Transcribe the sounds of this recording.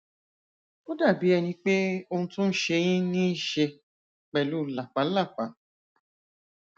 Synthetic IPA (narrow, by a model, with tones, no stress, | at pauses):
o˦da˦˨bi˨˦ɛ˧nĩ˧k͡pe˦o˧hũ˧tũ˦n̩˦ʃe˧j̃ĩ˦nĩ˦ʃe˧ | k͡pɛ˨lu˨˦la˨k͡pa˨˦la˦˨k͡pa˨˦